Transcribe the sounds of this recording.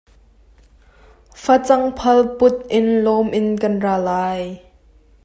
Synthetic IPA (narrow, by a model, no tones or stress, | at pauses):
fat͡sɐŋpʰɐlpʊt̪̚ʔɪnlɔmʔɪnkɐnraːlaːj